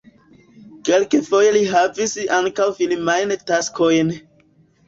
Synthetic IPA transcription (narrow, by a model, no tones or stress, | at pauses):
ke̞lkefo̞jeliɦavisaŋkawfilmajntaskʰo̞jn